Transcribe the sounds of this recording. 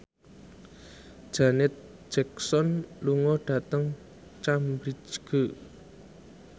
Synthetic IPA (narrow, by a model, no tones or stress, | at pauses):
ʒ̥anɪt̪̚ | ʒ̥ɛk̚sɔnluŋɔɖ̥ä̤t̪əŋ | t͡ʃambɾid͡ʒɡ̥ə